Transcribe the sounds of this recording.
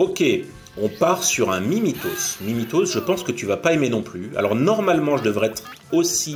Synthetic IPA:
okʲe | ɔ̃paʁsyʁɛ̃mimit̪ozmimit̪ozʒəpɑ̃skət̪yvapaemenɔ̃plya̰lɔʁnɔʁmalmɑ̃ʒəd̪əvʁɛɛt̪χ | osi

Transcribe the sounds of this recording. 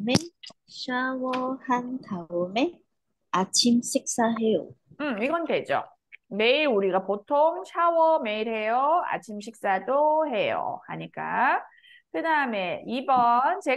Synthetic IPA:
me | ɕʰawʌhantaume̞ | at͡ɕʰimɕʰik̚s͈aɦe̞joɯmiɡʌnɡe̞d͡ʑo̰ | me̞iɾuɾiɡapotʰoŋɕʰawʌme̞iɾɦe̞joa̰t͡ɕʰimɕʰik̚s͈adoɦe̞jo̰a̰ɲik͈a̰ | kɯdame̞ibʌnt͡ɕe̞

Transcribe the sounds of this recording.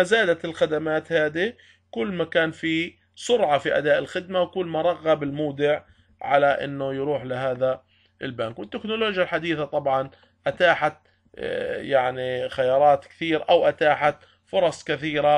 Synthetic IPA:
azaːd̪at̪ɪlxad̪amaːt̪haːd̪i | kʊlːmakaːnfi | sʊɾʕɑfiʔa̰d̪aːʔɪlxɪd̪mawkʊlːmaɾˤɑɣːabɪlmuːd̪ɪʕ | ʕa̰laʔɪ̰nːʊjɾuːħlɪɦaːða | ʔɪlbaːkwɪt̪ːɪknʊloːd͡ʒjalħad̪iːθat̪ˤɑbʕɑn | ʔat̪aːħat̪ | jaʕnixajɑːɾˤɑːt̪kɪ̥θiːɾaʔawʔat̪aːħat̪ | fʊɾˤɑsˤkɪθiːɾa

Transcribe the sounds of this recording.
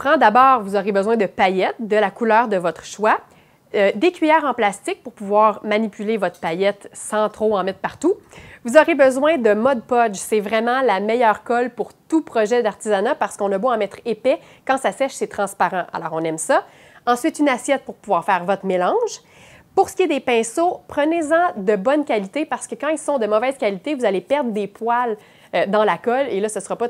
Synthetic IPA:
pχɑ̃d̪abɑːʁvuzɔʁebəzwɛ̃d̪əpajɛt̪̚d̪əlakulœːʁd̪əvɔt̪χəʃwa | d̪ekʲɥijɛːʁɑ̃plast̪ɪk̚pʊʁpuvwaːʁmanipylevɔt̪χpajɛt̪sɑ̃t̪χoɑ̃mɛt̪χpaʁt̪uvuzɔʁebəzwɛ̃d̪əmɔd̪̚pɔd͡ʒsɛvʁɛmɑ̃lamɛjœːʁkɔlpuʁt̪upχɔʒɛd̪aʁt̪izanapaʁsə̥kɔ̃naboɑ̃mɛt̪χepɛ | kɑ̃sasɛʃsɛt̪χɑ̃spaʁɑ̃ʔa̰lɔːʁɔ̃nɛmsʌ | ɑ̃sɥɪt̪ynasjɛt̪̚pʊʁpuvwaːʁfɛːʁvɔt̪χmelɑ̃ʒ | pʊʁsə̥kʲijed̪epɛ̃sopχənezɑ̃d̪əbɔnkʲalit̪epaʁsə̥kəkɑ̃ilsɔ̃d̪əmɔvɛːz̥kʲalit̪evuzalepɛʁd̪ʁd̪epwal | ød̪ɑ̃lakɔlelʌsəsəʁɑpɔ

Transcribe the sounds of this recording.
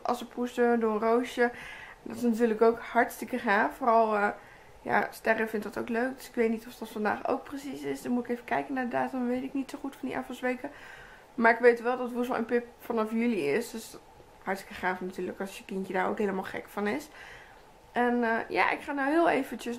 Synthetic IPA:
ʔɑ̰lˠsəpustødʊənrowʃjəndɔtɪsnatyːləkowkhɑɹtstɪkəχaːffoːrɑlˠə | ja̰stɛrəfɪntdɑtowkløɥk̚døsɪ̥kʋejtnitɔfdɑtfɑnda̰ːχo̰wk̚prəsisɪsdɔnmutɪkejvəkɛjkənːaɹdədaːtəmʋejtɪknitsoχutfɔndḭʔa̰ːfəsʋejkə | maːɹɪkʋejtʋɛlˠdɔtʋusʋɔ̰lˠʔə̰npɪp̚fɑnɑfjʏliɪsdøs | hɑɹtstɪ̥kəχaːfnatyːləkɑsjəkɪntədaːɹo̰wkɦeːləmaːlˠχɛ̰kfɑnɪs | ʔɛnja̰ʔɪ̰kχaːnawɦɪːlˠejvəntəs

